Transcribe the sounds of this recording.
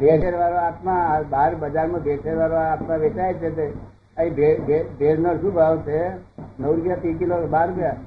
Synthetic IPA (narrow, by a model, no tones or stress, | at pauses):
bʱeʈʰeɾʋaɾoat̪mãbaɾbəd͡ʒaɾmãbʱeʈʰeɾʋaɾoat̪mãʋet͡ʃaet͡ʃʰet̪e | əĩbʱebebʱeɾnəɾʃũbʱaʋt͡ʃʰenəwɾupjat̪ikilobaɾupja